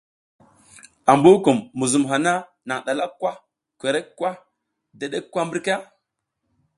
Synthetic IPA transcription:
a˨mbu˦ku˨mːu˨zu˨mɦa˨na˦ | na˨ŋɗa˨la˦kːwa˦ | kʷe˨ɾe˦kkːwa˦ | da˨ɗe˦kːwa˦mbi˦ɾka˦

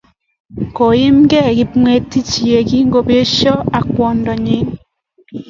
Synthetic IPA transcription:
ko˨ji˦mɡɛ˦˨ɣɪ˦pŋwe˦tːi˦t͡ʃi˨e˨ɡi˦ŋɡo˨be˦ʃɔ˦a˨kwɔ˨ndɔ˨ɲi˦ŋ

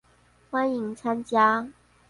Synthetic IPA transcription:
xwa˦ni˨˦ŋt͡sʰa˦nt͡ɕja˥

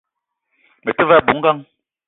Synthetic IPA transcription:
me˨tɪ˦va˦˨bu˨˦ŋ̩˦ɡa˦ŋ

